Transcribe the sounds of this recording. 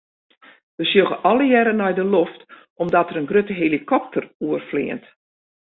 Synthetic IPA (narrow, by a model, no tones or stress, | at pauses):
ʋəsjoɣəʔɔlˠəjɛɾənɔjdəloft | ʔɔmdɔtəɾənɡrøtəɦelikʰɔp̚tʰəruərflḭənt